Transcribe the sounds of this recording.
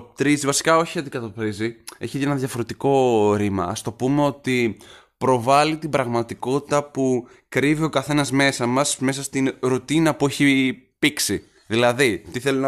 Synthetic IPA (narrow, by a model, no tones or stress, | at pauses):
t̪ɾizivɐsi̥kɐo̞çiɐnd̪ikɐt̪ɐpɾizieçienɐðʝɐfo̞ɾe̞t̪iko̞ɾimɐ̰ɐ̰st̪o̞pume̞o̞t̪i | pɾo̞vɐlit̪ibɾɐɣmɐt̪iko̞t̪i̥t̪ɐpu | kɾivio̞kɐθe̞nɐzme̞sɐmɐsme̞s̬ɐst̪inɾot̪inɐpue̞çipiksi | ðilɐðit̪iθe̞linɐ